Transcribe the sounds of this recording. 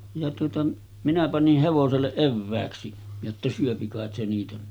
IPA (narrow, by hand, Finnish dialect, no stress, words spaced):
jɑ tuotɑ minæ pɑnih heʋoselːeʔ ʔeʋːæːksi jotːɑ syøpi kɑˑet se niːtæ